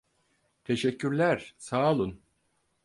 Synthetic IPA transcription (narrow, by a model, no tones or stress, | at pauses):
t̪ʰe̞ʃɛcʰːyɾlʲæɾsaːlˠɯn